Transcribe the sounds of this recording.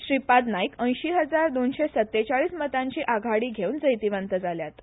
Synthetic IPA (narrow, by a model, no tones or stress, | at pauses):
ɕɾipat̪naikə̃j̃ɕiːɦəd͡zaɾd̪onɕesət̪ːet͡ɕaɭiːsmət̪aɲt͡ɕiːʔaɡʱaɽiːɡʱeund͡zəjt̪iʋənt̪əd͡zaljat̪